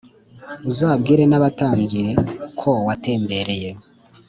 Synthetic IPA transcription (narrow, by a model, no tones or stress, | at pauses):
uzaːbɡiːɾe̞naβataːɲɟiɾe̞kʰo̞wate̞ːmbe̞ɾe̞je̞